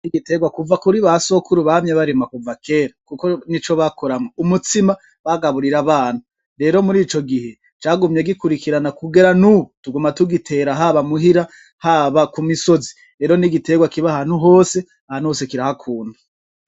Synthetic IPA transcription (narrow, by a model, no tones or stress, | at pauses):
niɡite̞ɡwakuvakuɾiβaso̞kʰuɾuβamɲeβaɾemakuvake̞ːɾakukonit͡ʃo̞βakʰoɾamoumutima | βaɡaβuɾiɾaβaːn̥hu | ɾe̞ːɾo̞muɾiːt͡ʃo̞ɡihe | t͡ʃaːɡumɲe̞ɡikuɾikiɾanakuɡe̞ɾanutuɡumatuɡitʰe̞ːɾaɦaβamuɦiɾa | haβakumiso̞zi̥ | ɾe̞ːɾo̞niɡite̞ɡwakiβahaːn̥huɦo̞ːse̞ | ahan̥uhoːse̞kiɾahakʰuːnda